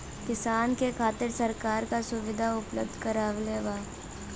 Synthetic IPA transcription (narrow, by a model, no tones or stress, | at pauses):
kɪsaːnkekʰaːt̪ɪɾsɐɾkaːɾkasʊʋɪd̪ʱaʊplə̰b̚d̪ʱkɐɾaːʋleːʋaː